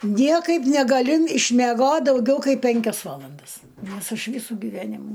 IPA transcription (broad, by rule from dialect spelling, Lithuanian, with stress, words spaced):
ˈnʲiɛkɐɪp nʲɛɡɐˈlʲʊ ɪʃʲmʲɛˈɡoːt dɐʊˈɡʲɛʊ ˈkɐɪp ˈpʲɛŋʲkʲɛs ˈʋɑːlˠɐndɐs ˈnoːrs ˈɐʃ ˈʋʲiːsʊ ɡʲiːˈʋʲæːnʲɪmʊ